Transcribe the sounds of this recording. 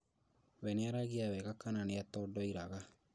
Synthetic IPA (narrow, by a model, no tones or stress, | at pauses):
wɛneaɾaɣeawɛkakananeatɔːdɔiɾaɣa